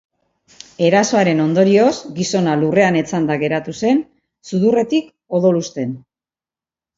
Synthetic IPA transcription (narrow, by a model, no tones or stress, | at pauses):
e̞ɾaso̞aɾe̞no̞nd̪o̞ɾio̞sɡiso̞nalure̞ane̞t͡sand̪aɣe̞ɾat̪use̞n | suðure̞t̪ik | o̞ðo̞lust̪e̞n